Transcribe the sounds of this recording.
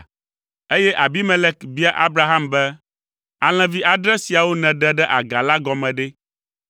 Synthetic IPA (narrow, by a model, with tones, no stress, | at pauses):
e˦jɛ˦ʔa˨bi˦mɛ̃˨lɛ˦kbi˦a˦ʔa˦bɾa˨ɦa˦mbɛ˦ | a˨l̃ɛ̃˨vi˦ʔa˨ɖɾɛ˦si˨a˨wo˦nɛ̃˨ɖɛ̃˦ɖɛ˦ʔa˨ɡa˨la˦ɡɔ˨mɛ̃˨ɖɛ˦